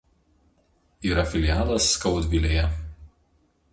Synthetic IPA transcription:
iːɾɐfʲɪlʲɪjaːlˠɐsːkɒʊt̪ʲʋʲilʲeːjɛ

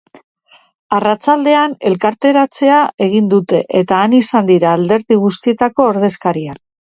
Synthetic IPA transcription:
arat͡sald̪e̞ane̞lkaɾt̪e̞ɾat͡se̞ae̞ɣ̞ind̪ut̪e̞ʔet̪aːnisand̪iɾaːld̪e̞ɾðiɣ̞ust̪ie̞t̪ako̞ːɾð̞e̞skaɾia

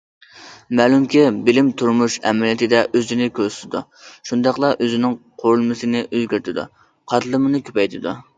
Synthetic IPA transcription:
mɛːlˠumkʲʰibɪlɪmt̪ʰuɾmuʃɛmlijit̪ʰɪd̪ɛʔøzɪnɪkʲʰøsɪ̥t̪ʰɪd̪ṵ | ʃund̪ɑqlˠɑʔøzɪnɪŋqʰoɾulˠmɨsɨnɪʔøzɡʲyɾt̪ʰɪd̪ṵ | qʰɑt̪lˠɨmɨnɨkʲʰøpɛjt̪ʰɪd̪u

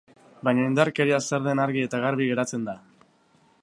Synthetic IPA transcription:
bajɲaind̪aɾke̞ɾiaseɾðe̞naɾɣie̞t̪aɣ̞aɾβiɣe̞ɾat͡se̞nd̪a

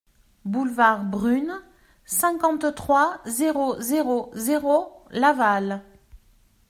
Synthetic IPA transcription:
bulvaʁbʁyn | sɛ̃kɑ̃t̪t̪χwazeʁozeʁozeʁolaval

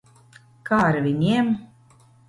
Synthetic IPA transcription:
kaːɾvʲinʲiɛm

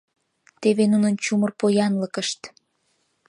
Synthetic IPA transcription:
t̪eβenunənt͡ɕumərpojɑnləkəʃt̪

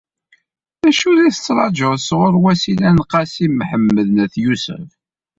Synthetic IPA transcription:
æʃuɾiθət͡sːɾˤɑʒəsʁʊɾwæsilænqɑsimħəmːəðnæθjusə̰f

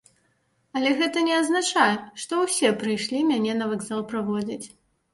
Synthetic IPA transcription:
ɐlʲɛɣɛt̪ɐnʲɛɐznat͡ʂajʂt̪ɔwsʲɛpɾɨjʂlʲimʲanʲɛnɐvaɡzalˠpɾavɔd͡zʲit͡sʲ

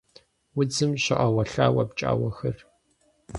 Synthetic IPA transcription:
wʊd͡zɨmɕɪʔɐwɐɬaːwɐpt͡ʃʼa̰ːwɐxɐr

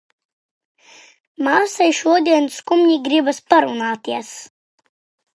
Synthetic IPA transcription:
maːsajʃuɔd̪iɛnskumɲiɡɾibaspaɾunaːt̪iɛs

